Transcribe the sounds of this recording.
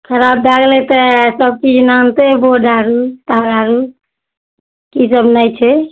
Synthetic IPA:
kʰəɾab̚d̪aɡlet̪əsəb̚t͡ʃid͡ʒnant̪eboɖaɾut̪aɾaɾu | kisəbnət͡ʃʰɛ

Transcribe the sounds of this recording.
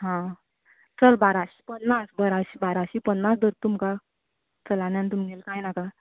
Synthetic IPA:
ɦã | t͡səlbaɾaɕi̥pənːasbəɾaɕibaɾaɕipənːasd̪əɾt̪umka | t͡səlanjãnt̪umɲelkajnaka

